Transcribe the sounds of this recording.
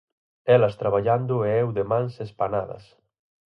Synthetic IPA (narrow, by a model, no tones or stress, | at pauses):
ɛlɐst̪ɾaβaʎand̪ʊɛwðemãnsespanaðɐ̰s